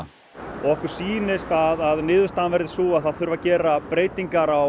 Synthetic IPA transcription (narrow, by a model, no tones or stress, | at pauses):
ɔɣɛhkʏɾ̥siːnɪst̪aðaðnɪːðʏ̥st̪aːðanvɛɾðɪsuːaðθaðθʏɾvacɛːɾapɾeːjt̪iŋkaɾaw